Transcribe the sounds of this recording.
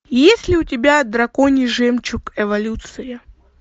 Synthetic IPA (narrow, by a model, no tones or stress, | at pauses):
jesʲlʲɪʊtʲɪbʲad̪ɾɐkonʲɪʐɛmt͡ɕʊkɛvɐlʲut̪sɨjɐ